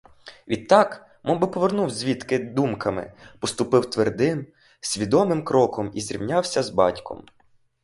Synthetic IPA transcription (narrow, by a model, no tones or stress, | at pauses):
ʋʲid̪̚t̪ɑk | mɔbɪpɔʋernuwzʲʋʲit̪kɪd̪umkɐmɪ̰pɔst̪ʊpɪwt̪ʋerd̪ɪm | sʲʋʲid̪ɔmɪmkɾɔkɔmizʲɾʲḭwnʲɑwsʲɐzbɑ̰tʲkɔ̰m